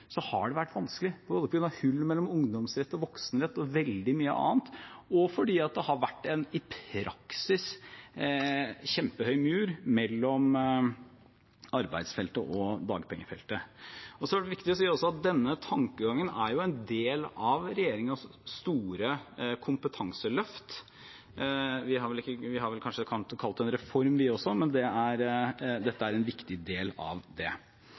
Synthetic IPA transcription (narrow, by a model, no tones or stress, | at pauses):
sɔhɑ̰ɖɛʋæʈːʋɑnskəlɪpʰɔboːləpɔɡɾʉnɑhʉlːmɛlːɔmʊŋd̪ɔmsɾɛt̪ːɔʋɔksənɾɛt̪ːɔʋɛld̪ɪmyːə̰ʔɑ̰ːnt̪ɔfɔɖiːɑt̪̚d̪ɛhɑɾʋæʈːɛnɪpʰɾɑksɪs | çɛmpəhœʏmʉːɾmɛlːɔm | ɑɾbæ̰ɪd̪sfɛlt̪əʔɔd̪ɑ̰ːɡəpʰɛŋːəfɛ̰lt̪əɔsɔæɖɛʋɪkt̪ɪɔsiːɾɔsɔɑt̪̚d̪ɛnːət̪ʰɑŋkəɡɑŋːənæɾjʊɛnd̪eːlɑʋɾɛjeːɾɪŋɑʋst̪uːɾəkʰʊmpət̪ʰɑŋsəlœft̪ | ʋɪɦɑɾʋɛlɪkːəʋɪɦɑɾʋɛlkʰɑnʂəkʰɑlt̪kʰɑlt̪ɛnɾɛfɔɾmʋɪɔsɔmɛnd̪ɛæɾd̪ɛt̪ːəæɾɛnʋɪkt̪ɪd̪eːlɑ̰ʋd̪ɛ